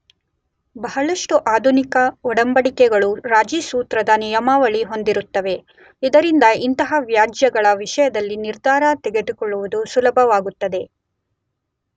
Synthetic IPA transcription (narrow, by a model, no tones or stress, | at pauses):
bɐɦɐɭɐʂʈuʔaːd̪ʱunikɐɔɽɐmbɐɽikɛɡɐɭuɾaːd͡ʒiːsuːt̪ɾɐd̪ɐnijɐmaːʋɐɭiɦo̞nd̪iɾut̪ːɐʋe̞ | id̪ɐɾind̪ɐint̪ɐɦɐʋjaːd͡ʒjɐɡɐɭɐʋiʂɐjɐd̪ɐlːiniɾd̪ʱaːɾɐt̪ɛɡed̪ukɔɭːuʋud̪usulɐbʱɐʋaːɡut̪ːɐd̪e̞